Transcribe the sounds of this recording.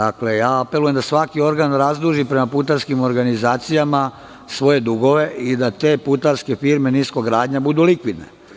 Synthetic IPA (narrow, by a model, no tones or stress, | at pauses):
akle̞jaːape̞luje̞md̪asʋakio̞ɾɡanɾazd̪ɾuʒipɾe̞maput̪aɾskimo̞ɾɡanizaːt̪sijama | sʋo̞je̞d̪uɡo̞ʋe̞ʔid̪at̪e̞ːput̪aɾske̞fiɾme̞niːsko̞ɡɾaːd̪ɲabud̪ulikʋid̪ne̞̰